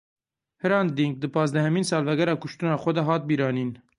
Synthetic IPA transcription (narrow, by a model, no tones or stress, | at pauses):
hɨɾɑnd̪iŋɡ̚d̪ɨpʰɑːzd̪æhɛmiːnsɑːlvɛɡɛɾɑːkʊʃt̪unɑːxʷɔd̪ɛɦɑːt̪̚biːɾɑːniːn